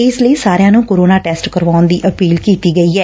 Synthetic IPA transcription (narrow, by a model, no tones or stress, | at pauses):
ɪsləiːsaːɾejãːnũːkoːɾoːnaːʈɛːsʈkəɾʋaːʊnd̪iːʔəpiːlkiːt̪iːɡəiːɛː